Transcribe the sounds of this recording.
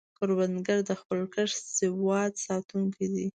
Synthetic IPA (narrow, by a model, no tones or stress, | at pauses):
koɾbanɡaɾd̪əxpəlkəʂsɪwɑd̪sɑt̪uŋkid̪i